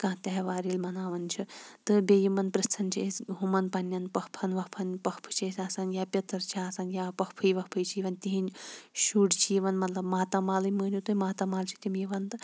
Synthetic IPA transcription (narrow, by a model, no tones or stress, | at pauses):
kãːt̪ɐɦʋaːɾilʲmɐnaːʋɐnt͡ʃʰit̪ɨbʲejimɐnpɾɨst̪ʰɐnt͡ʃʰiesɦumɐnpɐnʲːɐnpɐhpʰɐnʋɐhpʰɐnpɐhpʰɨ̥t͡ʃʰisʲaːsɐnjaːpʲɐt̪ɐɾt͡ʃʰiaːsɐnjaːpɐhpʰɨjʋɐhpʰɨjt͡ʃʰijiʋɐnʲt̪iɦinʲʃuːɖt͡ʃʰijiʋɐnmɐt̪lɐbmaːt̪ɐmaːlɨmɨːnʲut̪ɨmaːt̪ɐmaːlt͡ʃʰi̥t̪imjiʋɐnt̪ɨ